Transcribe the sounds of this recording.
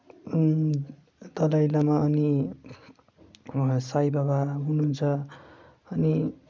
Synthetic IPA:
d̪ʌlajlamaʌni | sajbabaɦununt͡sʰʌ | ʌni

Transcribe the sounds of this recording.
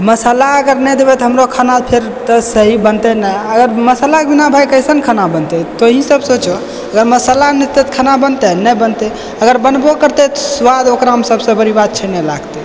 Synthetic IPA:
məsalaəɡəɾnɛd̪ebɛt̪ɔɦəmɾokʰanapʰeɾ | t̪əsəɦibənt̪ɛnəəɡəɾməsalakebinabʱajkəjsənkʰanabənt̪ɛt̪oɦĩsəbsot͡ʃo | əɡəɾməsəlanit̪ːet̪kʰanabənt̪ɛnəjbənt̪ɛ | əɡəɾbənbokəɾt̪ɛt̪ɔswad̪okɾaɦəmsəbsə̃bəɾibad̪̚t͡ʃʰɛnelaɡt̪ɛ

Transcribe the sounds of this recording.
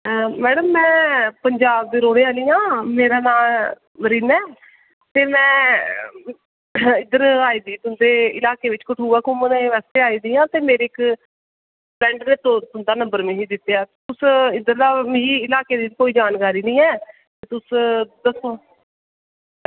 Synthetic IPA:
mɛːɽəmːɛ̃ːpəɲd͡ʒaːb̚d̪eːɾoːɽeːaːliːjãːmeːɾaːnaːl | məɾiːnɛː | t̪eːmɛ̃ː | ɪd̪əɾaːiːd̪iːt̪ʊnd̪eːɪ̰laːkeːʋɪt͡ʃkəʈʰuːʋaːkʊməneːʋɛːst̪eːaːiːd̪iːãːt̪eːmeːɾeːk | bɛ̃ːɳɖneːt̪ot̪ʊnd̪aːnə̃mbəɾmẽːɦiːd̪ɪt̪ːjaːt̪ʊsɪd̪əɾd̪aːmːiːɪlaːkeːd̪iːt͡ʃkoːiːd͡ʒaːnkaːɾiːnĩːɛː | t̪eːt̪ʊsd̪əsoː

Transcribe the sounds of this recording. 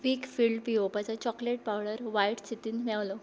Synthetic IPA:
ʋiːkfiːɭɖpiopat͡sat͡ɕɔkleʈ̚pawɽəɾʋaiʈt͡ɕit̪iːnmɛʋlo

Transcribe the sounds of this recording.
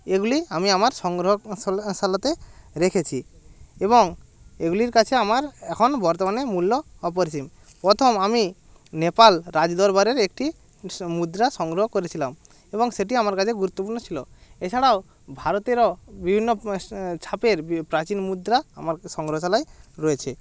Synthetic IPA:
eɡuliamiamaɾsɔŋɡɾɔɦɔsalat̪eɾekʰet͡ʃʰiebɔŋeɡuliɾkat͡ʃʰeamaɾɛkʰɔnbʱɔɾt̪ɔmanemulːɔɔp̬ɔɾet͡ʃim | pɾɔt̪ʰɔmami | nepalɾad͡ʒd̪ɔɾbaɾeɾekʈi | mud̪ɾasɔŋɡɾɔɦɔkoɾet͡ɕʰilam | eboŋseʈ̬iamaɾkat͡ʃʰeɡuɾut̪ːopuɾnɔt͡ɕʰiloet͡ɕʰaɽao | bʱaɾot̪eɾɔbibʱinːɔt͡ʃʰapeɾpɾat͡ɕinmud̪ɾaamaɾsɔŋɡɾɔɦɔsalajɾɔet͡ɕʰe

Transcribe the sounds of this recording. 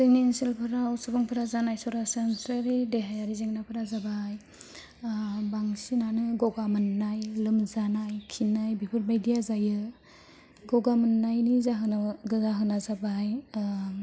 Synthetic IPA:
sejnenselpʰɯɾawsɔbaŋpʰɯɾazanajsɔɾasensɾaɾideɦajaɾizeŋnapʰɯɾazabaj | baŋsinanɯɡɔɡamɯnːajlɯmzanajkʰinajbipʰɯɾbajdijazajɯ | ɡɔɡamɯnːajnizaɦɯnaɡɯzaɦɯnazabaj

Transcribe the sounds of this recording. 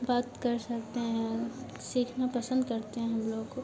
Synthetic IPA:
baːt̪kɐɾsɐkt̪eɦɛ̃ | siːkʰnapɐsə̃nd̪kɐɾt̪eɦɛ̃ɦɐmloːɡko

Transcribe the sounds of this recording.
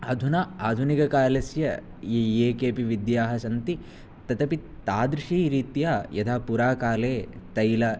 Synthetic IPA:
ad̪ʱunaaːd̪ʱunikɐkaːlɐsjɐ | jijeːkeːpiʋid̪jaːɦɐsɐnt̪i | t̪ɐt̪ɐpit̪aːd̪ɾɪʂiːɾiːt̪jaːjɐd̪ʰaːpuɾaːkaːleːt̪ɐjlɐ

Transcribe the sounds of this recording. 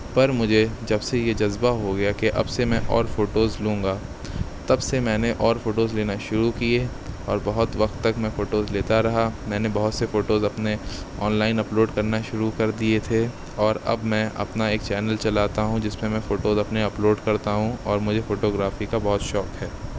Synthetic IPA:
pɐɾmʊd͡ʒʱed͡ʒɐbsejed͡ʒɐzbaɦoɡɐjakeʔɐ̰bsemɛ̃ʔɔ̰ːɾfoːʈoːzlũːŋɡa | t̪ɐbsemɛ̃ːneʔɔːɾfoːʈoːzleːnaʃʊɾukie | ɔ̰ːɾbɐɦʊt̪ʋɐqt̪ːɐkmɛ̃foːʈoːzleːt̪aɾɐɦamɛ̃ːnebɐɦʊt̪sefoːʈoːzɐpne | ɔːnlaːɪnɐploːɖkɐɾnaʃʊɾukɐɾd̪iet̪ʰe | ɔːɾɐ̰bmɛ̃ʔɐ̰pnaeːkt͡ʃɛːnəlt͡ʃɐlaːt̪aɦũd͡ʒɪsmemɛ̃foːʈoːzɐpneɐploːɖkɐɾt̪aɦũɔːɾmʊd͡ʒʱefoːʈoːɡɾaːfikabɐɦʊt̪ʃɔːkɦɛː

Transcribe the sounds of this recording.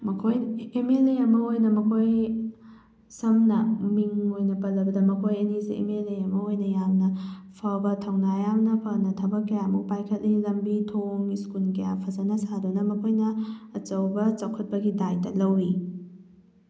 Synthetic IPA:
mɐkʰojemeleɐmɐojnɐmɐkʰoj | sɐmnɐmiŋojnɐpɐlːɐbɐdɐmɐkʰojɐnizḭʔḛmeleɐmɐojnɐjamnɐpʰawbɐtʰɐwnajamnɐpʰɐnɐtʰɐbɐkːɐjamuk̚pajkʰɐt̚liilɐmbitʰoŋiskunkɐjapʰɐzɐnɐsadunɐmɐkʰojnɐːt͡ʃɐwbɐt͡ʃawkʰɐt̚pɐɡidajdɐlɐwɾi

